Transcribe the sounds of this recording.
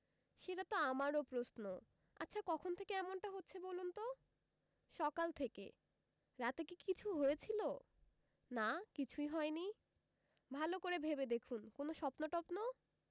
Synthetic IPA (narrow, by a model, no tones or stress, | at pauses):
ʃeʈat̪oamaɾopɾosno | a̰tːɕʰakɔkʰont̪ʰekeɛmonʈaɦotːɕʰebolunt̪o | ʃɔkalt̪ʰekḛ | ɾat̪ekikit͡ɕʰuɦojet͡ɕʰilo | nakit͡ɕʰuiɦɔeni | bʱalokoɾebʱebed̪ekʰunkonoʃɔpnoʈɔpno